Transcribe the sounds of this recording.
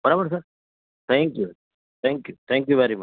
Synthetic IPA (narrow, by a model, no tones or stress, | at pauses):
pɐɾɐbɐɾsaɾ | t̪ʰɛːŋkju | t̪ʰɛːŋkjut̪ʰɛ̃ːŋkjuʋɛɾimɐt͡ʃ